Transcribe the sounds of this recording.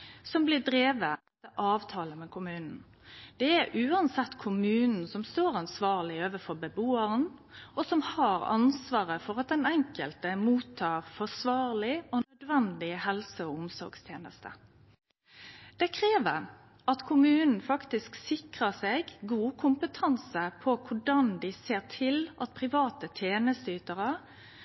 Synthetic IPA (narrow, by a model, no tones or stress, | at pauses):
sɔmblɪd̪ɾeːʋəɛt̪əʔɑːʋt̪ʰɑːləmɛkʰʊmʉːnn̩ | d̪̥ɛæɾʔʉːɑnsɛt̪ːkʰʊmʉːnn̩sɔmst̪oːɾɑnsʋɑːʁlɪoːʋəfɔɾbəboːəɾənɔsɔmhɑɾɑ̰nsʋɑːɾəfɔʁɑt̪̚d̪ɛnɛŋkəlt̪əmuːt̪ʰːɑːʁfɔsʋɑːʁlɪɔnœd̪ʋɛnd̪ɪhɛlsəɔʊmsɔ̰ɾɡst̪ʰjeːnə̰st̪ə̰ | d̪̥ɛkʰɾeːʋəɾ | ʔɑt̪kʰʊmʉːnn̩fɑkt̪ɪsksɪkʁəseɡɡuːkʰʊmpət̪ʰɑnsəpʰɔkʰʊɖɑnd̪ɪseːʁt̪ʰɪlɑt̪̚pʰɾɪʋɑːt̪ət̪ʰjeːnəst̪əyːt̪əɾə